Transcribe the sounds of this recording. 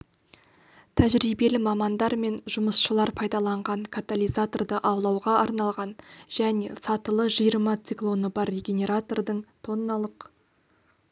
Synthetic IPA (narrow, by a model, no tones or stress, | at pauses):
t̪ʰæʒɾijbe̞lɪmɑmɑnd̪ɑɾme̞nʒʊməsʃəlˠɑɾpʰɑjd̪ɑlˠɑɴʁɑɴkʰat̪alʲˠijzat̪o̞rd̪əʔɑwlˠɑwʁɑʔɑɾnɑlˠʁɑnʒ̥æne̞̰sɑt̪əlˠəʒəjəɾmɑt̪siklˠo̞nəbɑreɡʲenʲe̞ɾat̪o̞rd̪əɴt̪ʰo̞nːɑlˠəq